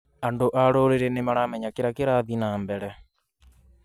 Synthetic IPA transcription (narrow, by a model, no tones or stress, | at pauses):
andoʔaɾoɾeɾenemaɾamɛɲakeɾakeɾaðinambɛɾɛ